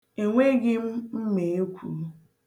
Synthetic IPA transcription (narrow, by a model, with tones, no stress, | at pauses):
e˨ŋʷe˦ɡɪ˦m̩˦m̩˦me˨e˦kʷʰṵ˦